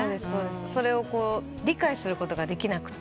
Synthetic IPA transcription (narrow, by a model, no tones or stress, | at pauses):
d̪esso̞ːd̪esɨso̞ɾe̞o̞ko̞ː | ɾʲikaisɨɾɯ̟ko̞t̪o̞ɡad̪e̞kʲinakɯ̟̥t̪ː